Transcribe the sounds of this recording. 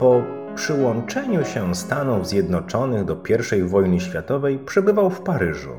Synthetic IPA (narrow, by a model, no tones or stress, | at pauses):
pɔ | pʂɘwɔnt͡ʂɛɲuɕɛst̪anuvzʲjɛd̪nɔt͡ʂɔnɘɣd̪ɔpʲjɛɾfʂɛjvɔjnɘɕfʲjat̪ɔvɛjpʂɛbɘvawfpaɾɘʐṵ